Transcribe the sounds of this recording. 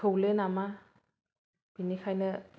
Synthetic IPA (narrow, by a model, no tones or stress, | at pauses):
owlenama | b̥inikʰajnɯ